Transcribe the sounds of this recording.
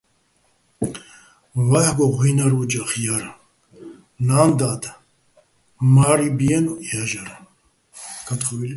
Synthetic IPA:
vaħɡɔʁʷinaɾud͡ʒaχjaɾ | naːnd̪ad̪ | maɾibiɛnuaʒaɾ | kʰat̪χɔvil

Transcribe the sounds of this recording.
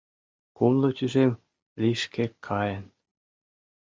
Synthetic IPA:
kumlot̪yʒem | lʲiʃkʰekʰːɑjən

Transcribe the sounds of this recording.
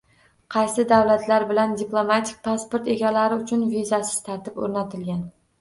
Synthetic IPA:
qʰɑjsɪd̪awlat̪ʰlaɾbɪland̪iplˠomat̪ʰɪk̚ʲpʰaspoɾt̪e̞ɡʲalaɾɪʊt͡ʃʰʊnvizasɪ̥z̥t̪ʰaɾt̪ɪpo̰ɾnat̪ʰɪlɡʲan

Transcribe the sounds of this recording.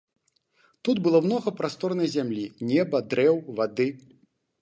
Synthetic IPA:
t̪ud̪bɨlˠɔwnɔɣɐpɾast̪ɔrnɐjzʲamlʲinʲɛbɐd̪ɾɛwvad̪ɨ

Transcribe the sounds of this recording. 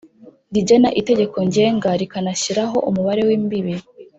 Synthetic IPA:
ɡiɟenaʔite̞ɟe̞ko̞ɲɟe̞ːŋɡaɾikanaɕiɾaɦo̞̰ʔumuβaɾe̞wiːmbiβi

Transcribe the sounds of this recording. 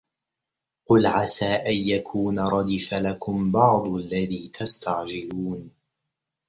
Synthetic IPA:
qʊlʕasaːʔajjakʰuːnaɾˤɑd̪ɪfalakʰʊmbɑʕd̪ˤʔalːaðiːt̪ʰast̪ʰaʕd͡ʒɪluːn

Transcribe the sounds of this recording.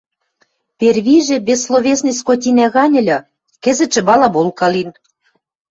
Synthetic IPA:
pʲerβiʒĕbesːloβʲesnɨjskot̪̬ʲinæɣɑnʲɘ̆lʲɤ̆ | kɘ̆zɘ̆t͡ʃɘ̆bɑlɑbolkɑlin

